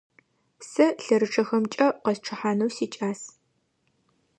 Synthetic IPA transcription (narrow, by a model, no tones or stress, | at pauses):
sɐɬɐɾɨʈ͡ʂʰɐxɐmt͡ʃʼɐqɐsʈ͡ʂʰɨħaːnɐwsiːt͡ʃʼaːs